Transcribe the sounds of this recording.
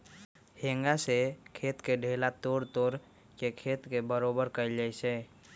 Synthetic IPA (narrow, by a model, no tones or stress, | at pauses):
heŋɡasekʰeːt̪keɖʱelat̪oːɾt̪oɾ | kekʰet̪kebəɾobəɾkəɪld͡ʒajse